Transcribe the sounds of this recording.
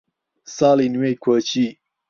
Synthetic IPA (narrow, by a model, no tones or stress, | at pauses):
saːlinwejkʰət͡ɕʰi